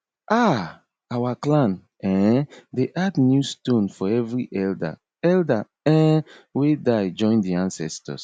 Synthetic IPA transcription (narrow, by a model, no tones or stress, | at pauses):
ʔa | awaklãn | ɛ̃deʔadnjustõnfɔɛvɹiʔɛlda̰ | ɛlda | ɛ̃wedaɪd͡ʒɔ̃ɪ̃ndiãnsɛstɔ̰s